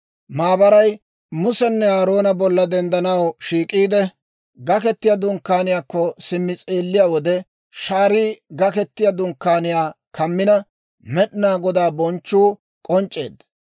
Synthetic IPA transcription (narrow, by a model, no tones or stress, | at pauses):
maːbɐɾɐj | mʊsɛnːɛaːɾo̞ːnɐbɔlːɐd̪ɛnd̪ɐnɐwʃiːkʼːiːd̪ɛ | ɡɐkɛt̪ːɪjad̪ʊŋkːaːnɪjaːkːɔsɪmːɪt͡sʼeːlːɪjaːwɔd̪ɛ | ʃaːɾiːɡɐkɛt̪ːɪjad̪ʊŋkːaːnɪjaː | kʰɐmːɪnɐ | mɛɗnaːɡɔd̪aːbɔnt͡ʃːuː | kʼɔnt͡ʃʼːe̞̰ːd̪ɐ